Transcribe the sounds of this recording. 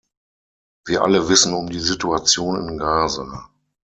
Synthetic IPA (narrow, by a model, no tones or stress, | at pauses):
viːɐʔa̰ləvɪsn̩ʊmdiːzituat͡sjoːnɪ̰nɡaːzaː